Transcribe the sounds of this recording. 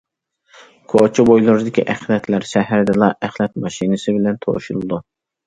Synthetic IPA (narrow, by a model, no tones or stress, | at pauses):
kʰot͡ʃʰibojlˠuɾɨd̪ɪkʲʰiʔæχlɛt̪ʰlæɾʃɛɦæɾd̪ɪlˠɑʔæχlˠɛt̪̚mɑʃinɨsɪbɪlɛnt̪ʰo̰ʃulˠɨd̪u